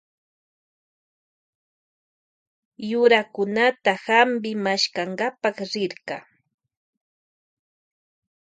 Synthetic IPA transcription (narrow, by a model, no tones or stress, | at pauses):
jʊɾakʊnat̪ahambɪmaʃkaŋɡapɑχɾɪɾɢɑ